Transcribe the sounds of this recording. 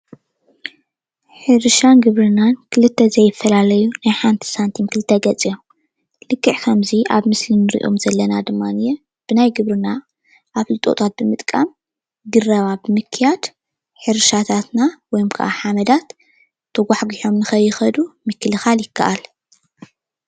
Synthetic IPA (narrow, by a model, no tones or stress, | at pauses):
ħɨɾʃanɡɨβɾɨnankʰɨlɨt̪ʰːɐzɐjːɪfːɐlalɐjunajħant̪ʰi̥sant̪ʰimkʰɨlɨt̪ʰːɐɡɐt͡sʼijom | lɨkʰːɨʕkʰɐmziʔaβmɨslinɨɾḭʔo̞̰mzɐlːɐnad̪ɨmːanɨje | b̥ɨnajɡɨβɾɨna | ʔaβlɨt̪ʼo̰t̪ʰat̪̚bɨmɨt̪ʼkʼam | ɡɨrɐβabɨmɨkʰːɨjad̪̥ | ħɨɾɨʃat̪ʰat̪nawɔjmkʰɐ̰ʔa̰ħamɐd̪at̪ʰː | ɐɡʷaħɡiħo̞mnɨxɐjːɪxɐd̪umɨkʰːɨlɨxaljɪkʰːɐʔal